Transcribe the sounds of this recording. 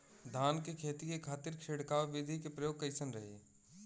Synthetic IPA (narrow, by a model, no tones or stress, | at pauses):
d̪ʱaːnkekʰeːt̪ikekʰaːt̪ɪɾkʃeːɽkaːʋʋɪd̪ʱikepɾɐjoːɡ̚kɐɪsənɾɐɦḛː